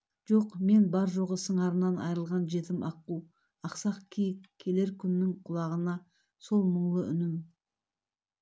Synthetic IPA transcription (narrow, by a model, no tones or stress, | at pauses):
ʒ̥oqme̞nbɑɾʒo̞ʁəsəɴɑɾənɑnɑ̰jɾəlˠʁɑnʒe̞t̪ɪmʔɑqːuw | ɑqsɑqkʲʰijɪkkʲʰːe̞le̞ɾkʲʰʏnːɪŋqʰʊlˠɑʁənɑ | so̞lˠməɴlˠəʏ̰nɪm